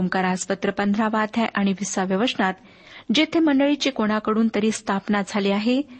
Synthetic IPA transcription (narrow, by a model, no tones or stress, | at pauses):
mkaɾaspət̪ɾəpənd̪ʱɾaʋat̪ʰjajʔaɽ̃iʋisaʋjəʋəʂnat̪ | d͡ʑet̪ʰeməɳɖəɭit͡ɕikoɽ̃akəɽuːnt̪əɾiːst̪ʰapnad͡zʱaliaɦe